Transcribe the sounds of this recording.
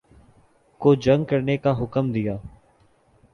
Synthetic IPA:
koːd͡ʒəŋɡkəɾnekaːɦʊkəmd̪ɪjaː

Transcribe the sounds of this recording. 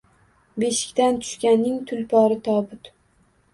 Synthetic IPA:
beʃɪ̥kʲt̪ant̪ʰʊ̥ʃkʲanːɪŋt̪ʰʊlpʰɒɾɪt̪ʰɒbʊt̪

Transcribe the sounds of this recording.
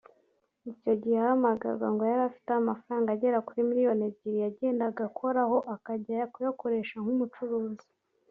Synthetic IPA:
ico̞ɟihehamaɡa̰ɾɡwa̰ŋɡo̞jaɾafi̥teamafɾaːŋɡaːɟe̞ɾakuɾimiɾijo̞neɟiɾijaɟe̞ːndaɡakʰo̞ɾaho̞ʔakaɟaakujoko̞ɾe̞ːʃaŋ̥humut͡ʃuɾuːzi̥

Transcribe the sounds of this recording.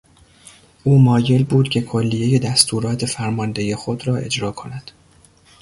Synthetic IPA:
ʔuːmɒːje̞lbuːd̪̥cʲʰe̞kʰo̞lːije̞je̞d̪æst̪ʰuːɾɒːt̪ʰe̞fæɾmɒːnd̪e̞je̞xo̞d̪ɾɒːe̞̰d͡ʒɾɒːkʰo̞næd̪̥

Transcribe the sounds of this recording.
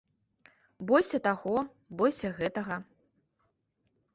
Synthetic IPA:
bɔsʲɐt̪aɣɔ | bɔsʲɐɣɛt̪ɐɣɐ

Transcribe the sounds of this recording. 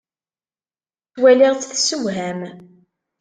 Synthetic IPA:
θwæliʁt͡sːθsuwɦæm

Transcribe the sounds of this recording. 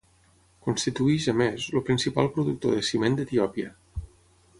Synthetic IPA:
kunst̪it̪uiʃəmezlopɾinsipa̰lˠpɾuðuk̚t̪o̰ðesimend̪ət̪iɔpiə

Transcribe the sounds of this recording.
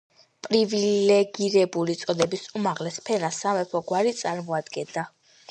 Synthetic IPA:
pʼɾivilɛɡiɾɛbulit̪sʼɔd̪ɛbisumaʁlɛspʰɛnasːamɛpʰɔɡwaɾit̪sʼaɾmɔad̪ɡɛnd̪a

